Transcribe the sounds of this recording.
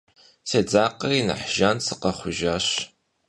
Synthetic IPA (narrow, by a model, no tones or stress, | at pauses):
seːd͡zaːqɐrinɨ̰ħʒ̥ansɨqɐχʷʊʒaːɕ